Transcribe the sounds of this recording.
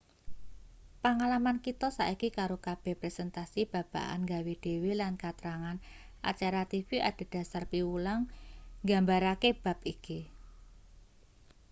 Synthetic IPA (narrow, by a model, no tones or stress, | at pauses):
paŋalamankit̪ɔsa̰ʔikikaɾokab̥ɛhpɾɛsɛnt̪asib̥a̤b̥a̤̰ʔa̰nŋɡawed̥e̤welankat̪ɾaŋan | a̰t͡ʃaɾat̪ifiʔa̰d̥a̤d̥ä̤sarpiwulaŋɡambaɾakeb̥a̤p̚iki